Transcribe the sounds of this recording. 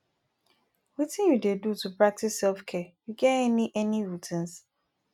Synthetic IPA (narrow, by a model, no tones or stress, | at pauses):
witĩnjudedutupɹak̚tisːɛlfkʰɛjuɡɛɛniʔɛniɹutʰĩns